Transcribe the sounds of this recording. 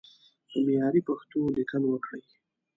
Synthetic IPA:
d̪̥əmejɑɾipaxt̪olɪkəlwəkɽəj

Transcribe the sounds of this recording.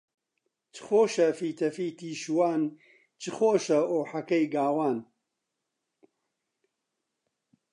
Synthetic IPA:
t͡ʃʰɨ̥xoːʃɐfiːt̪ʰɐfiːt̪iːʃuwaːn | t͡ʃʰɨxoːʃɐoːħɐkɐjɡaːwaːn

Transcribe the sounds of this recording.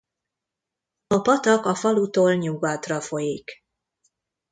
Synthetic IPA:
ɒpɒt̪ɒkɒfɒlut̪oːlɲuɡaːt̪rɒfo̞jik

